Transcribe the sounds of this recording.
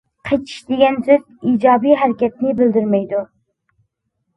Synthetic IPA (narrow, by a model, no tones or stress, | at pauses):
qʰet͡ʃʰi̥ʃd̪eɡʲɛnsøziːd͡ʒɑːbijɦæɾɪkʲɛt̪nɪbɪld̪yɾmɛjd̪u